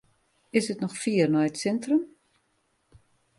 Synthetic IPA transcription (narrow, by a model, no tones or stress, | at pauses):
ɪsətnɔxfiːərnɔjətsɛntrəm